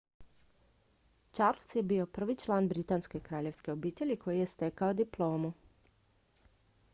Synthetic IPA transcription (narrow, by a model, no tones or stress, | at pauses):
t͡ʃaɾlsjebiːo̞pr̩ʋit͡ʃlˠaːnbɾit̪aːnske̞kɾaːʎe̞ʋske̞obiːt̪eʎʲikʰo̞jije̞st̪ekaod̪iplˠo̞ːmu